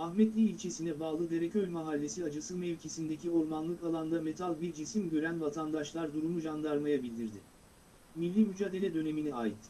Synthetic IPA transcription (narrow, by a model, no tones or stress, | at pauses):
axmɛt̪lʲiːlʲt͡ʃʰe̞sinɛbaːlˠɯd̪e̞ɾɛcølʲmaɦalʲːe̞siad͡ʒasɯmɛvʲcʰesind̪ecio̞ɾmanlˠɯkalˠand̪ame̞t̪ʰalʲˠbiɾd͡ʒisimɟø̞ɾænvat̪ʰand̪aʃlˠaɾd̪uɾumuʒand̪aɾmajabilʲd̪iɾd̪ɪ | milʲːimyd͡ʒaːd̪e̞lʲɛd̪ø̞ne̞minɛaːjit̪